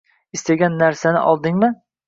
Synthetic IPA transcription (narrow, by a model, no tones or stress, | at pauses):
ɪst̪aɡʲanːaɾsanɪ̰ʔɒlˠd̪ɪŋmɪ